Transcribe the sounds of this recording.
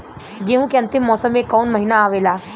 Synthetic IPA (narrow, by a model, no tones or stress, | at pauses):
ɡeɦũkeɐ̃nt̪ɪmːɔːsəmːẽkɔːnmɐɦinaːʋeːlaː